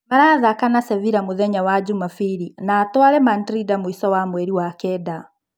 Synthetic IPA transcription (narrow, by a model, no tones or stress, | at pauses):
maɾaðakanasɛviɾamoðɛɲawad͡ʒumafiɾinaːtwaɾɛmandɾidamoisɔwamwɛɾiwakɛːda